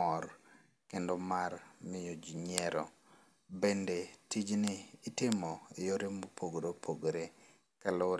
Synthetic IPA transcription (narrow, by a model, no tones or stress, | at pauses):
ɔɾ | kendɔmarmɪjod͡ʒiɲɛɾɔ̰ | bendetid͡ʒnɪːtɪmɔɪjoɾemopʰoɡɾopʰoɡɾe | kalo